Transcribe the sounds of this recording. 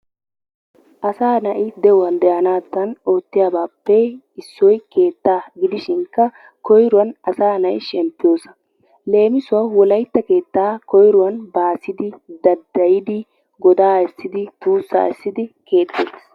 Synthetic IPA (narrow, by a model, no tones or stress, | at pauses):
ʔɐsaːnɐʔɪd̪ɛwɐnd̪ɛjɐnaːt̪ːɐno̞ːt̪ːɪjaːbaːpːɛ | ɪsːɔjke̞ːt̪ːaːɡɪd̪ɪʃɪŋkːɐ | kɔjɾʊwɐnɐsaːnɐʔɪ̰ʃɛmpːɪjo̞ːsɐ̥ | le̞ːmɪsʊwaːwɔlɐjt̪ːɐke̞ːt̪ːaːkɔjɾʊwɐnbaːsɪd̪ɪd̪ɐd̪ːɐjɪd̪ɪ | ɡɔd̪aːɛsːɪd̪ɪt̪uːsːa̰ːɛsːɪd̪ɪke̞ːt̪ːḛːs